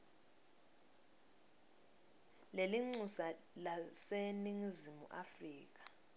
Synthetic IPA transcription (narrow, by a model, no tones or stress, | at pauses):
leliŋ͡ǀusa | laseniŋizimuʔafriːk̬ḁ